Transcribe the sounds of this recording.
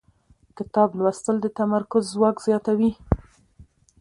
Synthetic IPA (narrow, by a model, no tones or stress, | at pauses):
kɪt̪ɑblwast̪əld̪ət̪amaɾkʊzːwɑkz̥jɑt̪awi